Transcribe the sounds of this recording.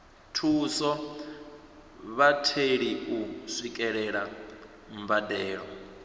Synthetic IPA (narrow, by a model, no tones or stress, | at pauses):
tʰuːsɔ | βatʰeɺiusʷikʼɛɺɛɺa | mbadɛːɺɔ